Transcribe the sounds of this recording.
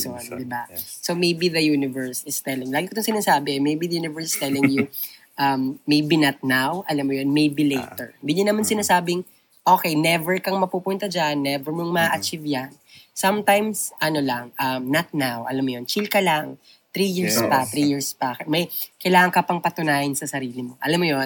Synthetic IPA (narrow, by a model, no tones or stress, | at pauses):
ond̪ɪbasomejbiðɐjuːnɪvɛɹsɪst̪ɛlɪŋlaːɡikot̪oŋsɪnaːsaːbɛɛmejbiðɐjuːnɪvɛɹsɪst̪ɛlɪŋju | ʔɐmːejbinɐt̪̚nawʔɐlamːʊjonmejbilejt̪ɛ̰ɹɪnd̪ɪɲɐnɐmansɪnaːsaːbɪŋ | ʔo̞ːkɛjnɛvɛɹkɐŋmɐpupʊnt̪ɐd͡ʒanːɛvɛɹmoŋmɐʔɐt͡ʃivjansɐmt̪ajmsʔɐnolɐŋʔɐmnɐt̪̚nawʔɐ̰lamːʊjont͡ʃilkɐlaŋ | t̪ɾijiɹspɐt̪ɾijiɹspɐkɛmɐjkɐjlaːŋɐŋkɐpɐŋpɐt̪ʊnaːhɪnsɐsɐɾiːlɪmo̞ʔɐlamːʊjon